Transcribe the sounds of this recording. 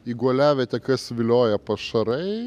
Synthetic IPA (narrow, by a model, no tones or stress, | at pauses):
iɡuɔlʲæːʋʲɛt̪ʲɛkɐsʋʲɪlʲoːjɛpɐʃɐɾɐɪ